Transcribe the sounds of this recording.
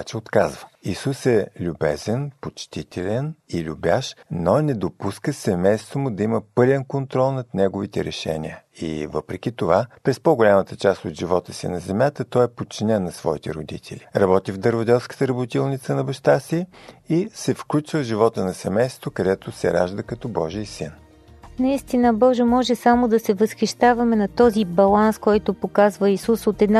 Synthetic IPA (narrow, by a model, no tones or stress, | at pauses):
t͡ʃɛot̪kazvəisusɛlʲubɛzɛnpot͡ʃt̪it̪ʰɛlʲɛnilʲubjaʃnonɛd̪opuskəsɛmɛjst̪vomʊd̪ɐiməpɤlʲɛnkont̪ɾɔlˠnɐt̪nɛɡovit̪ɛɾɛʃɛ̰niə | ḭvəpɾɛk̟ʲit̪ovapɾɛspɔɡolʲamət̪ət͡ʃast̪od̪ʒivɔt̪əsḭnɐzɛmʲjat̪ət̪ɔɛpot̪t͡ʃinɛnːɐsvɔ̰it̪ɛ̰ɾod̪it̪ʰɛ̰lʲiɾɐbɔt̪ivd̪əɾvod̪ɛlˠskə̥t̪əɾəbot̪ilˠnit̪sənɐbəʃt̪asiisɛfklʲut͡ʃvəʒivɔt̪ənɐsɛmɛjst̪t̪vokɐd̪ɛt̪osɛ̰ɾa̰ʒd̪əkɐt̪ɔbɔʒiəsin | nɐist̪inəbɔʒemɔʒɛsamod̪ɐsɛvəsxiʃt̪avɐmɛnɐt̪ɔzibɐlˠanskɔjt̪opokazvəisusot̪ɛd̪na